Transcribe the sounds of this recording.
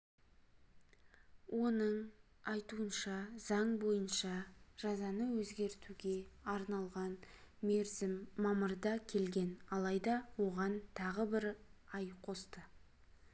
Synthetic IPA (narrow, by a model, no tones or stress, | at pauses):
wʔo̞nəɴ | ɑjt̪uənʃɑzɑɴbo̞jənʃɑʒ̥ɑzɑnəwɵzɡʲe̞ɾt̪uɡʲe̞ɑɾnɑlˠʁɑn | ɪmːɑməɾd̪ɑkʲʰe̞lɡʲe̞nɑlˠɑjd̪ɑwo̞ʁɑnt̪ʰɑʁəbɪɾɑjqʰo̞st̪ə